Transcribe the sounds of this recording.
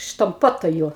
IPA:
ʃtɐmˈpuɔtoːjʊ

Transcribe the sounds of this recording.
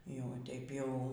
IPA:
ˈjɛʊ ˈtʲɛɪp ˈjɛʊ

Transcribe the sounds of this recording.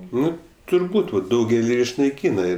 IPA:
ˈnʊ tʊrˈbuːt oː ˈdɐʊɡʲɛlʲɪ ɪʃnɐɪˈkʲiːnɐ

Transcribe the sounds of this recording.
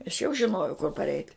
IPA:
ɐʃ jɛʊ ʒʲɪˈnoːjɛʊ kʊr pɐrʲˈɛɪtʲ

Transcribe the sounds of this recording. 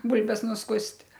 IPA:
ˈbʊlʲbʲɛs nʊsˈkʊsʲtʲ

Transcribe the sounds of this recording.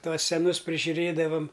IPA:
ˈtuɔs sʲɛˈnʊs pʲrʲɪʒʲʊˈrʲeːdɐʋɐm

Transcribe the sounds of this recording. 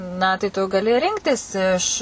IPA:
nɐ tɐɪ tʊ ɡɐˈlʲɪ ˈrʲɪŋktʲɪs ɪʃ

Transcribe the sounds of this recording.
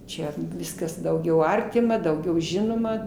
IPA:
ˈt͡ʃʲɛ ˈʋʲɪskɐs dɐʊˈɡʲɛʊ ˈɐrʲtʲɪmɐ dɐʊˈɡʲɛʊ ˈʒʲɪnoːmɐ

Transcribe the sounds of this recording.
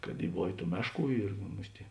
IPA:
kɐt ˈiː ˈboːʋʲeː ˈtuː ˈmʲæːʃˌkuː ɪr ˈmʊsʲtʲ ɪ

